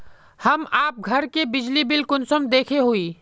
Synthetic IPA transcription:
hɐmaːp̚ɡʱɐɾkebɪd͡ʒlibɪlkʊnsəmd̪eːkʰeɦuiː

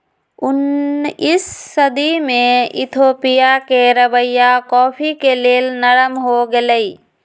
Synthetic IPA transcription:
ʊnɪsːəd̪imẽɪ̰t̪ʰoːpɪjakeɾəbəjakɔːpʰikeleːlnəɾəmɦoɡeləiː

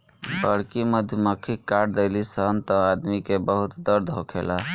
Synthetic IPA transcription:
bəɽkiməd̪ʱjməkʰikːaɾd̪elisənt̪ə̃ad̪mikebəɦut̪d̪əɾd̪ʱɦokʰela

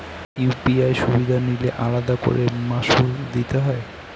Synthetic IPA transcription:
jupiajʃubid̪ʱanileʔalad̪ako̰ɾemaʃud̪it̪eɦɔe

